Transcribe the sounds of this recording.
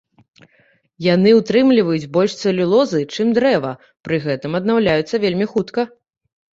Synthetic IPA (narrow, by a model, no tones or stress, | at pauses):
janɨut̪ɾɨmlʲivɐjud͡zʲbɔlʲʂt̪sɛlʲulˠɔzɨt͡ʂɨmd̪ɾɛvɐ | pɾɨɣɛt̪ɨmɐd̪nawlʲajut̪sːɐvʲelʲmʲixut̪kɐ